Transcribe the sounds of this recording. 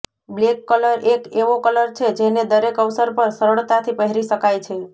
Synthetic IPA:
blekːələɾʔekeʋokələɾt͡ʃʰed͡ʒened̪əɾekəʋsəɾpəɾsəɾəɭt̪at̪ʰipəɦɾiʃəkajt͡ʃʰe

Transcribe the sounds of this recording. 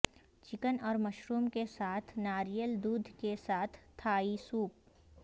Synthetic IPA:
t͡ʃɪkənɔːɾmɐʃɾuːmkesaːt̪ʰnaːɾijəld̪uːd̪ʱkesaːt̪ʰːaːisuːp̚

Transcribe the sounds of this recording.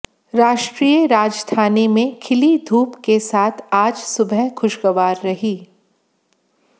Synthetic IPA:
ɾaːʃʈɾiːəɾaːd͡ʒst̪ʰaːnemẽkʰɪlid̪ʱuːpkesaːt̪ʰaːd͡ʒsʊbʱəɦxʊʃɡɐʋaːɾːɐɦiː

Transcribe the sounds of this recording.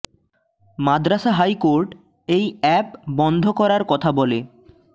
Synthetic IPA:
mad̪ɾaʃaɦajkoɾʈ | ejɛpbɔnd̪ʱokɔɾaɾkɔt̪ʰabɔle

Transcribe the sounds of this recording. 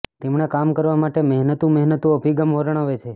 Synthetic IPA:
t̪emɳekamkəɾʋamaʈemɛɦnət̪uməɦnət̪uəbʱiɡəmʋəɾəɳ̃aʋet͡ʃʰe

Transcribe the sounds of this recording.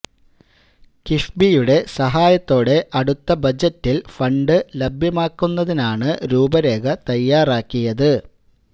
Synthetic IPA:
kifbijuɽe̞sɐɦaːjɐt̪ːo̞ːɽe̞ʔɐɽut̪ːɐbɐd͡ʑɐtːilfɐɳɖɨlɐbʱjɐmaːkːunːɐðinaːɳɨɾuːbɐɾe̞ːɡɐt̪ɐjːaːraːkːijɐðɨ

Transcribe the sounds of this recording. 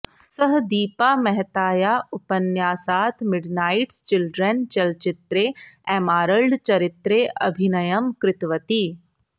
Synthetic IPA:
səɦd̪iːpaːmɛɦt̪aːjaʊpənjaːsaːt̪ʰmɪɖnaːɪʈst͡ʃɪlɖɾənt͡ʃɐlt͡ʃɪt̪ɾeɛːmaːɾəɭɖt͡ʃɐɾɪt̪ɾeʔɐ̰bʱɪnɐjəmkɾɪt̪ʋət̪iː

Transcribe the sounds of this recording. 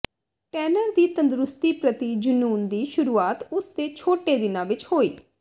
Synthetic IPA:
ʈɛːnəɾd̪iːt̪ənd̪ɾʊst̪iːpɾət̪iːd͡ʒʊnuːnd̪iːʃʊɾuːaːt̪ʊsd̪eːt͡ʃʰoːʈeːd̪ɪnãːʋɪt͡ʃhoːḭː

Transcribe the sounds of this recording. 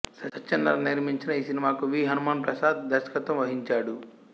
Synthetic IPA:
sɐɐt͡ʃːɐnd̪ɐ̰lɐniɾmiɲt͡ʃinɐiːsinimaːkuʋiːɦɐnumaːnpɾɐsaːd̪̚d̪ɐɾʃɐ̥kɐt̪ʋɐmʋɐɦiɲt͡ʃaːɽu

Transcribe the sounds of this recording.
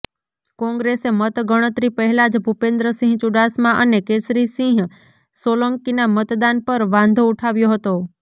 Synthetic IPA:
kɔ̃ŋɡɾesemət̪ɡəɽ̃ət̪ɾipəɦɛlad͡ʒbʱupẽnd̪ɾəsĩɦt͡ʃuɖasmãʔənekesɾisĩɦ | soləŋkinamət̪d̪anpəɾʋãnd̪ʱouʈʰaʋjoɦət̪o

